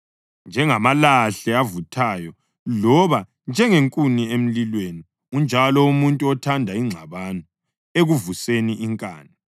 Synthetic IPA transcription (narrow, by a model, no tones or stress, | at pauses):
nd͡ʒʱɛŋamalaɬɛavutʰaːjɔ | lɔβa | nd͡ʒʱɛŋeŋkʼuniem̩lilweni | und͡ʒʱalɔumuntʼuɔtʰandʱaiŋ͡ǀʱaβanɔ | eɣuvuseniʔiŋkʼaːna